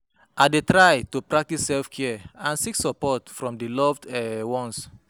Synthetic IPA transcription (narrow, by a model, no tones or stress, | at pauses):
ʔadetɹajtopɹak̚tisːɛlfkʰɛɛãnsiksɔpɔtfɹɔ̃mdilɔvdɛwɔ̃ns